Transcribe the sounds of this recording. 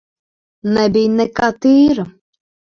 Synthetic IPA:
nɛbijnɛkat̪iːɾɨ

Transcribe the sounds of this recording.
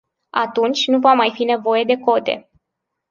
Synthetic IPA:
at̪unt͡ʃʲnuvamajfine̞vo̞je̞d̪e̞ko̞t̪e̞̰

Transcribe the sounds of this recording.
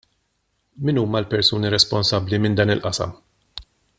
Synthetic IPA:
mɪnuːmɐlpɛɾsuːniɾɛspɔnsɐbːlimɪnd̪ɐːnɪlʔɐsɐ̰m

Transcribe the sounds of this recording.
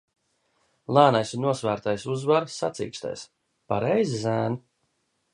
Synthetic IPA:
lˠaːnajsunuɔsvæːɾt̪ajsuzvaɾsat̪sḭːkst̪a̰js | paɾɛjzzæːn

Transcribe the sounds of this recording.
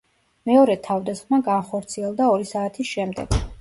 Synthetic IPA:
mɛɔɾɛt̪ʰavd̪asχmaɡanχɔɾt̪sʰiɛlˠd̪aɔɾisaːt̪ʰisʃɛmd̪ɛ̰ɡ̥

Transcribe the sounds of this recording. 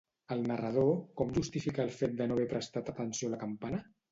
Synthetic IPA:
əlˠnərəð̞okɔmʒust̪ifikəːlˠfet̪̚d̪ənoβɛpɾəst̪at̪ət̪ənsioləkampanə

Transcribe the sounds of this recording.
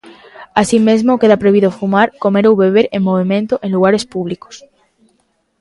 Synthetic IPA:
asimezmoke̞ðapɾeβiðofumaɾko̞me̞ɾuwβe̞β̞e̞ɾẽmmoβ̞imẽnt̪oʔe̞nluɣ̞aɾe̞spuβ̞liko̥s

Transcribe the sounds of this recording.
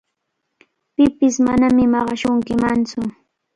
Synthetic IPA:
pɪpɪsmanamɪmɑɢɑʃʊŋkɪmant͡sʊ

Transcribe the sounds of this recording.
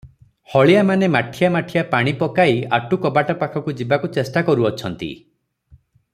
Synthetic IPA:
hɔɭijamanemaʈʰijamaʈʰijapaɽ̃ipɔkaiaʈukɔbaʈapakʰɔkud͡ʒibakut͡ʃesʈakɔɾuɔt͡ʃʰɔnt̪ḭ

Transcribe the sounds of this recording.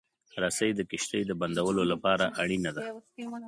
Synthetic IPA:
ɾasəjd̪əkɪʃt̪əjd̪əband̪awəlolapɑɾaʔaɽinad̪a

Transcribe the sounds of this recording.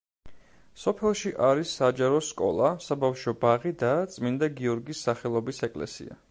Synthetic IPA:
sɔpʰɛlˠʃiʔaɾisːad͡ʒaɾɔskʼɔ̰lˠasabafʃɔbaʁid̪at̪sʼmind̪aɡiɔɾɡisːaχɛlˠɔbisɛkʼlɛ̰sḭa̰

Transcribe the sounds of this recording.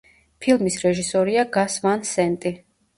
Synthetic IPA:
pʰilˠmisɾɛʒisɔɾiaɡasvansɛnt̪ʼi

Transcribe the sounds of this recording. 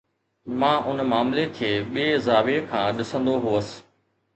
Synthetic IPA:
mãːʔʊnmaːmlekʰeːɓiːzaːʋekʰãːɗɪsə̃nd̪oɦuəsɪ̥̆

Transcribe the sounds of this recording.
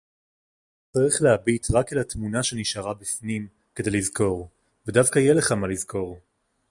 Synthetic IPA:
t͡saʁiχleabit̪ʁakelatmunaʃeniʃaʁabifnim | kedejlizko̞ʁ | vedavkajele̞χamalizkʰo̞ʁ

